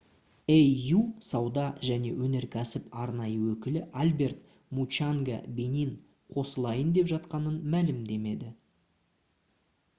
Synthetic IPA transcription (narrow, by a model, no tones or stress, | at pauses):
ejːusɑwd̪ɑʒæne̞̰wɵne̞ɾkʲʰæsɪpɑɾnɑjəwɵkʲɪlɪʔalʲbe̞rt̪ | mut͡ʃaŋɡabe̞nin | qʰo̞səlˠɑjənd̪e̞pʒɑt̪qɑnənmælɪmd̪e̞me̞d̪ɪ